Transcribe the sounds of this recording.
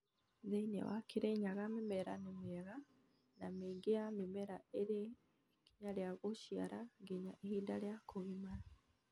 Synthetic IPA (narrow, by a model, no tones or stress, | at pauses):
zeinḛwa̰kiɾeɲaɣamimeɾa̰nimieɣa | namiɡiamimeɾaeɾe | kiɲaljaɣuʃja̰ɾaɡiɲaʔehiːndaljakʰuβimaɾa